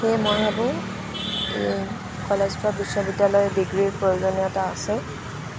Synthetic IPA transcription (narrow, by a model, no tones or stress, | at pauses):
xejmɔɹɦabʊ | ḛ | kɔlezpabisːobidjalɔjbiɡɹiɹpɹojuzɔnjɔtaːsɛ